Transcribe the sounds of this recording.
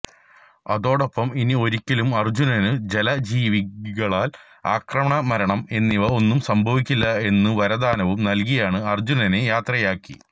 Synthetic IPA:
ɐ̰ðo̞ːɽo̞pːɐminio̞ɾikʲːɐlumɐrd͡ʑunɐnɨd͡ʑe̞lɐd͡ʑiːʋiɣɐɭaːl | aːkrɐmɐɳɐmɐɾɐɳɐme̞nːiʋɐo̞nːumsɐmbʱɐʋikʲːilːɐe̞nːɨʋɐɾɐd̪aːnɐʋumnɐlk̬ijaːɳɨɐrd͡ʑunɐnejaːt̪rɐjaːkːḭ

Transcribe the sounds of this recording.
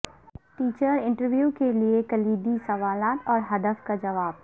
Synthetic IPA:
ʈiːt͡ʃəɾɪ̃ɳʈəɾʋjuːkeliekɐliːd̪isɐʋaːlaːt̪ɔːɾɦɐd̪əfkad͡ʒɐʋaːb

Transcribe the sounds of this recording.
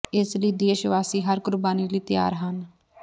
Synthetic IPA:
ɪsləiːd̪eːʃʋaːsiːɦəɾkʊɾbaːniːliːt̪ɪja̰ːɾɦən

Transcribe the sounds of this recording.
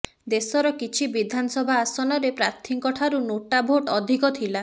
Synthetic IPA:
d̪esɔɾɔkit͡ʃʰibid̪ʱanɔsɔbʱaːsɔnɔɾepɾaɾt̪ʰiŋkɔʈʰaɾunoʈabʱoʈɔd̪ʱikɔt̪ʰila

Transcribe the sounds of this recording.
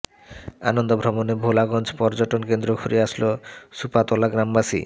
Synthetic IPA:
a̰nond̪obʱɾɔbonebʱolaɡɔnd͡ʑpɔɾd͡ʑoʈonkend̪ɾokʰuɾiaʃlosupat̪olaɡɾambaʃḭ

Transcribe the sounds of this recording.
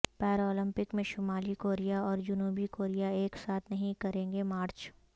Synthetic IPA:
pɛːɾoːlɪ̃mpɪkmẽʃʊmaːlikoːɾijaɔːɾd͡ʒʊnuːbikoːɾijaeːksaːt̪ʰnɐɦĩkɐɾẽːŋ̆ɡemaːɾt͡ʃ

